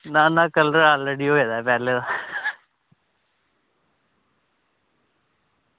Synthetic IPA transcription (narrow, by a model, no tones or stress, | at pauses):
naːnãːkəlɾəɾaːlɾeɖiːɦoːed̪aːpɛːlẽːd̪a